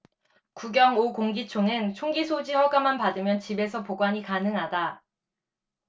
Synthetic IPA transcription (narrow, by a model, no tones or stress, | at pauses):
kuɡjʌŋokoŋɡit͡ɕʰoŋɯnt͡ɕʰoŋɡisʰod͡ʑihʌɡamanpadɯmjʌnt͡ɕibe̞sʰʌpoɡwaɲikanɯŋɦada